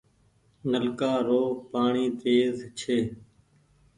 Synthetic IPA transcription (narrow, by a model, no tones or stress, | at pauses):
nəlkaːɾoːpaːɳiːt̪eːzt͡ʃʰeː